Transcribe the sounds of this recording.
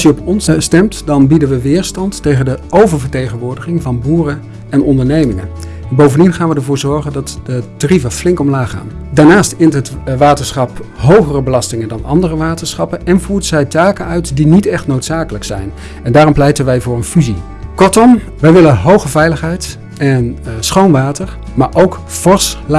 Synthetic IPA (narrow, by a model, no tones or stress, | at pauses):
sjəɔpɔnsstɛmtdɑnbidənʋəʋɪːɹstɑntːejχəndəowvəɹvəɹtejχənʋʊːɹdəχɪŋvɑnbuːrə | ɛnʔɔndəɹnejmɪŋə̰n | bowvəndinχaːnʋədəɹvʊːɹzɔɹχəndɑtdətarivəflɪŋkɔmlaːχa̰ːndaːɹnaːstɪntɦətʋaːtəɹsχɑp | ɦowχərəbəlɑstɪŋəndɑnɑ̰ndərəʋaːtəɹsχɑpənɛnvuːɹdəzɛjtaːkənœɥtdinitɛχtnowtsaːkələksɛ̰jn | ɛndaːɾɔmplɛjtənʋɛjvʊːrənfyzi | kɔɹtɔm | ʋɛjʋɪlənɦowχəvɛjləχɦɛjt | ɛnsχownʋaːtəɹ | maːɹʔowk | fɔɹsl